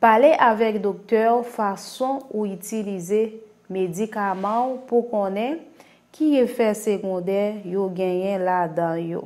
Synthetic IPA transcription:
paleʔavɛk̚d̪ok̚t̪œʁfasɔ̃uitilize | med͡zikamɑ̃pukɔ̃nɛ̃ | kʰiefɛseɡɔ̃d̪ɛjoɡɛ̃jɛ̃lad̪ãjo̰

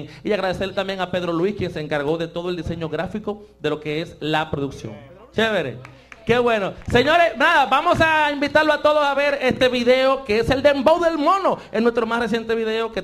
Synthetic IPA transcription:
ŋiaɣɾaðeslet̪ambje̞ŋape̞ðɾo̞lwiskjenseːŋkaɾɣo̞ðe̞t̪o̞ðoeld̪ise̞ɲo̞ɣɾafiko̞ðe̞lo̞ke̞eslapɾoðuksjo̰ŋ | t͡ʃeβeɾḛ | ke̞βwe̞no̞se̞ɲo̞ɾesnaðaβamo̞saimbit̪aɾloat̪o̞ðosaβe̞ɾe̞st̪e̞βiðe̞okeese̞ld̪e̞mbowðe̞lmo̞no̞enwest̪ɾo̞masres̬je̞nt̪e̞βiðe̞oke

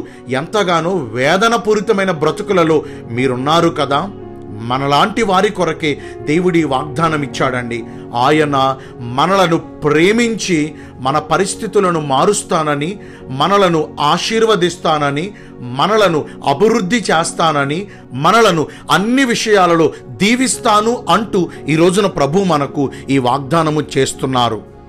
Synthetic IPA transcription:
ent̪ɐɡaːnoːʋɛːd̪ɐnɐpuːɾit̪ɐmɐjnɐbɾɐt̪ukulɐlo̞ː | miːɾunːaːɾukɐd̪aː | mɐnɐlaːɳʈiʋaːɾikɔɾɐke̞ː | d̪e̞ːʋuɽiʋaːɡ̚d̪aːnɐmit͡ʃːaːɽɐɳɖi | aːjɐnɐ | mɐnɐlɐnupɾeːmiɲt͡ʃi | mɐnɐpɐɾist̪ʰit̪ulɐnumaːɾust̪aːnɐni | mɐnɐlɐnuaːʃiːɾʋɐd̪ist̪aːnɐni | mɐnɐlɐnu | ɐ̰bʱiʋɾud̪ʱːit͡ʃeːst̪aːnɐni | mɐnɐlɐnu | ɐnːiʋiʂɐjaːlɐlo̞ːd̪iːʋist̪aːnuʔɐɳʈuiːɾo̞ːd͡ʒunɐpɾɐbʱumɐnɐkuiːʋaːɡ̚d̪aːnɐmut͡ʃe̞ːst̪unːaːɾu

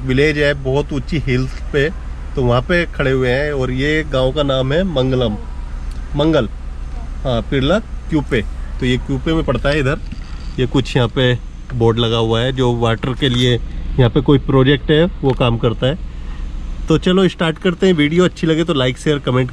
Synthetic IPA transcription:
ʋɪleːd͡ʒɛbɔːʊt̪ʊtːʃʰiɦɪlt̪ʰpe | t̪oʋɐɦãpekʰɐɽeɦʊeɦɛ̃ɔːɾjeɡãːõkanaːmɦɛmɐ̃ŋɡləm | mɐ̃ŋɡəl | ɦãːpɪɾlakjuːpet̪ojekjuːpemẽpɐɽt̪aɦɛɪd̪əɾjekʊt͡ʃʰjɐɦãpe | boːɾɖlɐɡaɦʊaɦɛd͡ʒoːʋaːʈəɾkeliejɐɦãpekoːipɾoːd͡ʒek̚ʈɦɛʋokaːmkɐɾt̪aɦɛː | t̪ot͡ʃɐloɪsʈaːɾʈkɐɾt̪eɦɛ̃ʋiːɖijoɐtːʃʰilɐɡet̪olaːɪkseɔɾkɐmẽːɳʈ

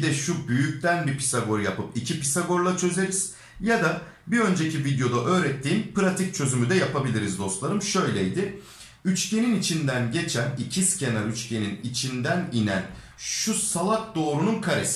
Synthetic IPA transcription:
d̪ɛʃubyjyc̚t̪ʰænbipi̥saɡo̞ɾjapɯpicʰipisaɡo̞ɾlˠat͡ʃʰø̞ze̞ɾiz̥ | jad̪a | biø̞nd͡ʒecivid̪jo̞d̪aʔø̞ːɾɛt̪ʰːiːnpɯɾat̪ʰic̚t͡ʃʰø̞zymyd̪ɛjapʰabilʲiɾizd̪o̞st̪lˠaɾɯmʃø̞jlʲɛjd̪ɪ | yt͡ʃcʰe̞ninit͡ʃʰind̪ænɟe̞t͡ʃʰænicʰiscʰe̞naɾyt͡ʃcʰe̞ninit͡ʃʰind̪æninæ̰n | ʃusalˠak̚d̪o̞ːɾununkʰaɾes

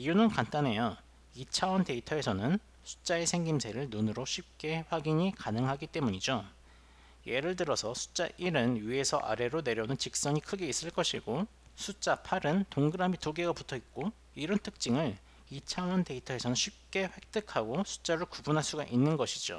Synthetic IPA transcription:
iunɯnkant͈ane̞jo | it͡ɕʰawʌnte̞itʰʌe̞sʰʌnɯn | sʰu̥t͡ɕ͈ae̞sʰe̞ŋɡimsʰeɾɯɭnunɯɾoɕʰip̚k͈e̞ɸwaɡiɲikanɯŋɦaɡit͈e̞muɲid͡ʑo | je̞ɾɯɭtɯɾʌsʰʌsʰu̥t͡ɕ͈aʔiɾɯnjie̞sʰʌʔa̰ɾe̞ɾone̞ɾjʌnɯnt͡ɕik̚s͈ʌɲikʰɯɡe̞is͈ɯɭk͈ʌɕʰiɡo | sʰut͡ɕ͈apʰaɾɯntoŋɡɯɾamitoɡe̞ɡaputʰʌik̚k͈o | iɾʌntʰɯk̚t͡ɕ͈iŋɯɭ | it͡ɕʰawʌnte̞itʰʌe̞sʰʌnɯnɕʰip̚k͈e̞ɸwe̞k̚t͈ɯkʰaɡosʰu̥t͡ɕ͈aɾɯɭkubunɦaɭs͈uɡaʔinːɯnɡʌɕʰid͡ʑo̰

